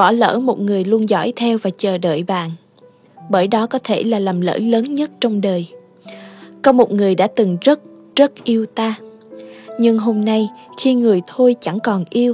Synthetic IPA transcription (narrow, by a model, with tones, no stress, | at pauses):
ɓɔ̰˧˩lə̰ː˧˥mo˨˩t̚ŋɨ˨˩əjlu˧ənzɔ̰˧˥jt̪ʰɛ˧wvaː˨˩t͡ɕəː˨˩ɗə̰ː˧˨jɓa̰ː˧˨n | ɓəː˧˩jɗɔ˨˦kɔ˨˦t̪ʰe˧˩laː˨˩laː˨˩mlə̰ː˧˥ləː˨˦nɲə˦˥t̚t͡ɕɔ˧wŋ͡mɗəː˨˩j | kɔ˨˦mo˨˩t̚ŋɨ˨˩əjɗa̰ː˧˥t̪ɨ˨˩ŋzə˦˥t̚ | zə˦˥t̚ʔi˧əwt̪aː˧ | ɲɨ˧ŋɦo˧mna˧jxi˧ŋɨ˨˩əjt̪ʰo˧jt͡ɕa˧˩ŋkɔ˨˩nʔi˧əw